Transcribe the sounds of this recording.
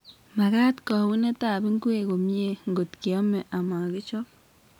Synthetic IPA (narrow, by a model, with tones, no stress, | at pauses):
ma˨ɣa˦t̪kɔ˨wu˦ne˦ta˨bi˦ŋɡwe˦˨ko˨mje˦ŋɡo˨t̪ki˨ɔ˦mɛ˨ʔa˨ma˨ɡɪ˦t͡ʃɔ˦k